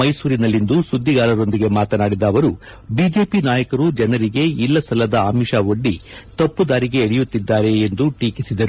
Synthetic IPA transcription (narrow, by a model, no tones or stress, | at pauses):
ɐjsuːɾinɐlːind̪usud̪ʱːiɡaːɾɐɾo̞nd̪iɡe̞maːt̪ɐnaːɽid̪ɐːʋɐɾu | biːd͡ʒe̞ːpinaːjɐkɐɾud͡ʒɛnɐɾiɡe̞ilːɐsɐlɐd̪ɐaːmiʃao̞ɖːit̪ɐpːud̪aːɾiɡe̞ːɽɛjut̪ːid̪ːaːɾe̞ːnd̪uʈiːkisid̪ɐɾu